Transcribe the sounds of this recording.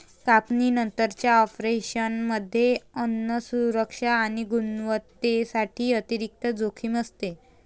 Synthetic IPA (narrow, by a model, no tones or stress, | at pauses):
kapniːnənt̪əɾt͡ɕjaɔpɾeɕənməd̪ʱːjeənːəsuɾəkʂaːɽ̃iɡunʋət̪esaʈʰiːət̪iɾik̚t̪əd͡zokʰiːməst̪e